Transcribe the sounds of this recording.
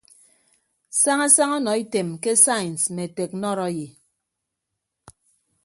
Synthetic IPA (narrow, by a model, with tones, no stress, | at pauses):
sa˦ŋa˦sa˦ŋɔ˦nɔ˨i˦te˨mke˦sa˦jn˨sme˨te˨k̚nɔ˦ɾɔ˦ji˨